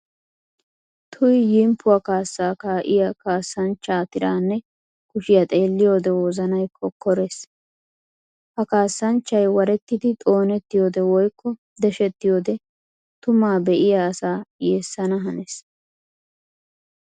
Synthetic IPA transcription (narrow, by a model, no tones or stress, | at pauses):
t̪ʰʊjjɪmpːʊwakaːsːaːkaːʔɪjakaːsːɐnt͡ʃːaːt̪ɪɾaːnːɛ | kʊʃɪjɐt̪ʼe̞ːlːɪjo̞ːd̪ɛwɔzɐnɐjkʰːɔkːɔɾeːs | hɐkaːsːɐnt͡ʃːɐjwɐɾɛt̪ːɪd̪ɪt̪ʼo̞ːnɛt̪ːɪjo̞ːd̪ɛwɔjkːɔ | d̪ɛʃɛt̪ːɪjo̞ːd̪ɛ | t̪ʊmaːbɛʔɪjaːsaːjeːsːɐnɐɦɐnes